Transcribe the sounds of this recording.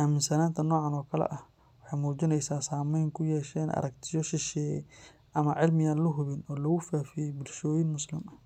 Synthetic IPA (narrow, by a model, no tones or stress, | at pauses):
ʔaːmɪnsɐnaːnt̪ʰɐnɔːʕɑnɔːkʰɐlɛ̰ʔɐh | wɑħɑjmuːt͡ʃɪnɛjsaːsaːmɛjŋkʰʊjɛːʃɛːnʔɐ̰ɾɐkt̪ʰɪjɔʃɪʃɛːjɛ̰ | ʔɐmɐʕɪlmɪjaːnlʊɦʊβɪnɔːlɐɣʊfaːfɪjɛbʊlʃɔːjɪnmʊslɪmɐ